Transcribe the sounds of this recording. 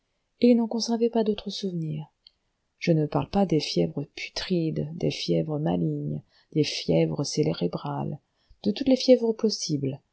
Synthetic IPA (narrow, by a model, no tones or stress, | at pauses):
ilnɑ̃kɔ̃sɛʁvɛpad̪ot̪χəsuvniːʁ | ʒ̥ənəpaʁlpad̪efjɛvʁəpʰy̥t̪χid̪d̪ḛfjɛvʁəma̰liɲ | d̪̥efjɛvʁəseleʁebʁal | d̪̥ət̪ut̪lefjɛvʁəpɔsibl